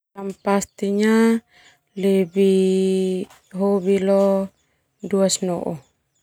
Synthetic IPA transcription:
ampast̪iɲa | lebi | ɦoβilɔ | duasnɔ̰ʔɔ

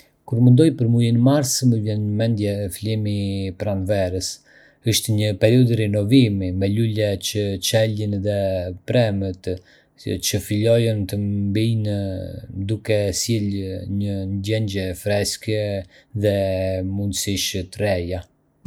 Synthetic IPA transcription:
kuɾmənd̪ɔjpəɾmulinmaɾsməvjɛnəmɛnd̪jɛfilimipɾanvɛɾəs | əʃt̪ɛɲəpɛɾiɔd̪ɾɛnɔvimimɛlulɛt͡ɕət͡ʃɛlinðɛpɾɛmət̪ | t͡ʃəfilɔjɔnt̪əmbin | d̪ukɛsilɲənɟɛɲɟɛfɾɛskɛðɛmund̪siʃt̪ɾɛja

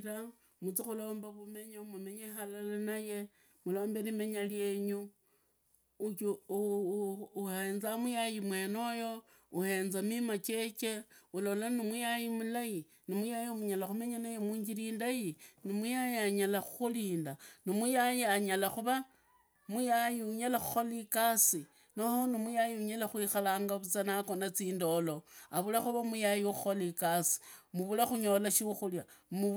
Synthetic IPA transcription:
ɾa | mut͡sixulo̞ːmbaβume̞ɲamume̞ɲexalalanaje̞ | mulo̞ːmbe̞lime̞ɲalje̞ɲu | ut͡ʃu | uheːnzamujajimwe̞ːno̞jo̞ | uhe̞ːnzamimat͡ʃe̞t͡ʃe̞ulo̞lanimujajimulaji | nimujajimuɲalaxume̞ɲanajemwuːɲɡiɾiːndajinimujajiaɲalaxu̥xuliːndanimujajiaɲalaxuβa | mujajiuɲalaxu̥xolikasi | nohonimujajiuɲalaxwixalaːŋɡaβut͡sanako̞nat͡siːndo̞lo̞aβulaxuβamujajixuxolikasi̥muβulaxuɲo̞laʃiuxuljamu

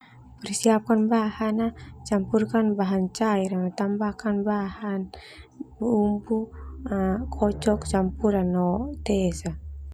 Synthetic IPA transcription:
pɛrsiap̚kanbahanat͡ʃampurkanbaɦant͡ʃaiɾaat̪ambakanbahan | buːmbu | kʰɔt͡ʃɔkt͡ʃampuɾanɔt̪ɛsa

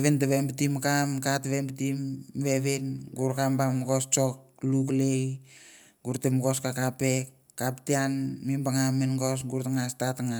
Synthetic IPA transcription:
βentaβembitimkamkatβembtimβeβenɡuɾkambamɡo̞st͡ʃok̚luklej | ɡuɾtemɡo̞skakapekːaptianmimbaŋamenɡos̬ɡuɾtaŋastatŋa

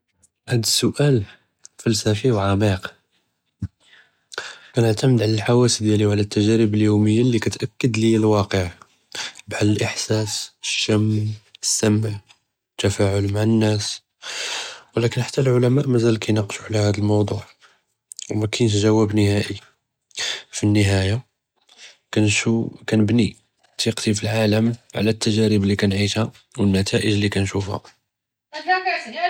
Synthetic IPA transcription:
hæd̪əsːʊʔæl | fælsæfiwʕamiq | kænəʕt̪æməd̪ʕalælħawæsd̪jæliwʕalæt̪ːæʒæɾəbəljuməjːalːikæt̪ʔækːəd̪lilwɑqəʕ | bħalːəlʔəħsæsəʃːæməsːæmʕ | ət̪ːæfæʕʊlmaʕənːæs | wlækənħḁt̪ːælʕʊlæmæʔmæzælkæjnɑqʃuʕlæhæd̪əlmɑwd̪ˤuʕ | wmækænət̬̪ʒæwːæbnəhæʔi | finːəɦæja | kænkænəbni | t̪iqt̪ifilʕaləmʕlæt̪ːæʒæɾəblikænʕiʃhæ | wənːæt̪ʰæʔəʒlikænʃufhæ̰

